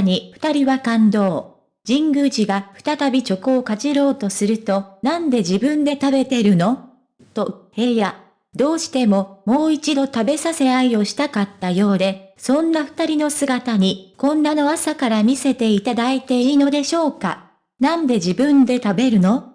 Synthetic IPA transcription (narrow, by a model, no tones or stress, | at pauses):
ɲ̟iɸɯ̟̥t̪aɾʲiβakãnd̪o̞ː | d͡ʑĩŋɡɯʑiɡaɸɯ̟̥t̪at̪abʲit͡ɕo̞koːkat͡ɕiɾo̞ːt̪o̞sɨɾɯ̟t̪o̞nãnd̪e̞d͡ʑibɯ̟̃nd̪e̞t̪abe̞t̪e̞ɾɯ̟no̞ | t̪o̞he̞ja | d̪o̞ːɕi̥t̪e̞mo̞mo̞ːit͡ɕid̪o̞t̪abe̞sase̞aio̞ɕi̥t̪akat̪ːajo̞ːd̪e̞sõ̞nːaɸɯ̥t̪aɾʲinosɨɡat̪aɲ̟ikõ̞nːano̞asakaɾamʲise̞t̪e̞it̪ad̪ait̪e̞iːno̞d̪e̞ɕo̞ːka̰ | nãnd̪e̞d͡ʑibɯ̟̃nd̪e̞t̪abe̞ɾɯ̟no̞